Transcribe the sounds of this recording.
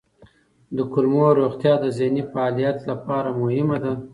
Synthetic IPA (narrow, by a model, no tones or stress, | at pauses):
d̪əkʊlmoɾoɣt̪jɑd̪əzenifaɑlijat̪lapɑɾamʊhɪmad̪a